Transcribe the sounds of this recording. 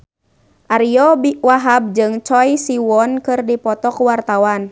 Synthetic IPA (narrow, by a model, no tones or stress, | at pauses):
ʔaɾiɔbiwaɦab̚d͡ʒɨŋt͡ʃɔjsiwɔnkɨrdipɔt̪ɔkwart̪awan